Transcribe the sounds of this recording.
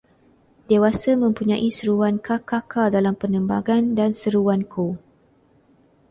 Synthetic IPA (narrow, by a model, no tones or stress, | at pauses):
dewasəmə̃mpuɲãʔisəɾuwankakakʰadalampənə̃mba̰ɡandansəɾuwankʰo